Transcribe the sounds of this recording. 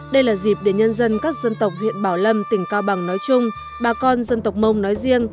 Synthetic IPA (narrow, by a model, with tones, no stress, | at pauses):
ɗə˧jlaː˨˩zi˨˩p̚ɗe˨˧˩nɲə˧nzə˧nkaː˦˥k̚zə˧nt̪ə˨˩wk͡p̚hḭ˧˨ənɓaː˧˩wlə˧mt̪ï˧˩ŋ̟kaː˧wɓa˨˩ŋnɔ˨˦jt͡ɕʊ˧ŋ͡m | ɓaː˨˩kɔ˧nzə˧nt̪ə˨˩wk͡p̚mə˧wŋ͡mnɔ˨˦jzi˧əŋ